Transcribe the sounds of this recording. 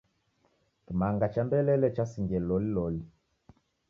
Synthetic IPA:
kimaŋɡat͡ʃambɛlɛlɛt͡ʃasiŋɡɛlɔlilɔli

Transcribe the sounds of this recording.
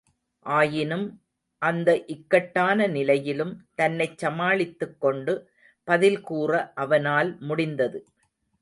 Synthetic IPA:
ʔaːjɪnɯm | ʔɐnd̪ɐʔɪkːɐʈːaːnɐnɪlɐjɪlɯmt̪ɐnːɐɪt͡ʃːɐmaːɭɪt̪ːɯkːɔɳɖɯ | pɐðɪlkuːrɐʔɐʋɐnaːlmʊɽɪnd̪ɐðɯ

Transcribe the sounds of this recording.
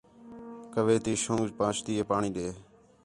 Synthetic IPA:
kəʋeːt̪iːʃõːd͡ʒpãːt͡ʃt̪iːeːpaːɳĩːɗ̪eː

